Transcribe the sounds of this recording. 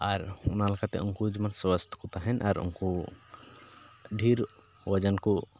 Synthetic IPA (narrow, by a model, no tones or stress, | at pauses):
aɾʊnalakat̪ɛ̰unkud͡ʒəmanswəst̪ʰkɔt̪aɦɛnʔaɾṵnku | ɖʱiɾ | wəd͡ʒənku